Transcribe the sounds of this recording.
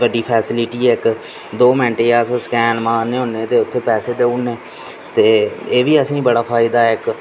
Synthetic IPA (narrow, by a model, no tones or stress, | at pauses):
ʋəɖiːpʰɛːsɪlɪʈiːɛːɪk | d̪oːmɛ̃ːɳʈeːaːsskɛːnmãːneːɦʊːneːt̪eːʊt̪ʰːeːpɛːseːd̪eːuːneː | t̪eːeːʋiːəsĩːibəɽaːpʰaːɪd̪aːɛɪk